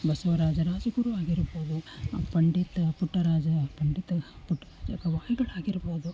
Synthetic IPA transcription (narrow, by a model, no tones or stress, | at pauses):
bɐsɐʋɐɾaːd͡ʒɐɾaːd͡ʒɐɡuɾuʋaːɡiɾɐboːd̪upɐɳɖit̪ɐpuʈːɐɾaːd͡ʒɐpɐɳɖit̪ɐpuʈːɐɾaːd͡ʒɐkɐʋaːjiɡɐɭaːɡiɾɐboːd̪u